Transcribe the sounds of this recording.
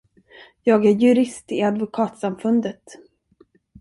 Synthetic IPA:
jɑːɡæɾjɵɾɪst̪ɪad̪vʊkʰɑːt̪samfɵnd̪ət̪

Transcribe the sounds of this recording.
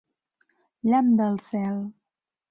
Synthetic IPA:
ʎamd̪əlˠsɛlˠ

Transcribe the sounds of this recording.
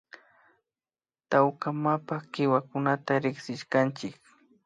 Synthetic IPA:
t̪awkamapakɪwakʊnat̪aɾɪksɪʃkant͡ʃɪk

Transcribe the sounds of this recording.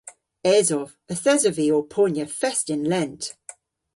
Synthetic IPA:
ɛːzɔv̥ | əθɛzəviɔpʰɔːnjəfɛstɪ̃nlɛ̃nt

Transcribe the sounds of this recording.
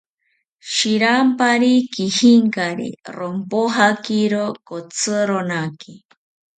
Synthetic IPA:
ʃiɾampaɾikihiŋkaɾḭɾompoɦakiɾokot͡sʰɨɾonaki

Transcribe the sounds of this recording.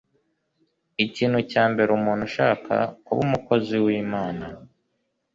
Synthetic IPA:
iciːn̥hucaːmbe̞ɾumuːn̥huʃaːkʰa̰kuβumuko̞ziwiːmaːna

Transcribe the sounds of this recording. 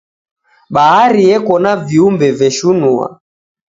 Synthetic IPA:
ɓaɦaɾiɛkɔnaviumbɛvɛʃunua̰

